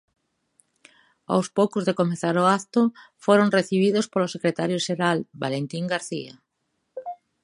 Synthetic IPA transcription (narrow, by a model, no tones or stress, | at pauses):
a̰wspowkʊzðekomeθaɾoat̪ʊfoɾoŋreθiβ̞iðʊspolosekɾet̪aɾjoʃeɾalbalent̪iŋɡaɾθḭa̰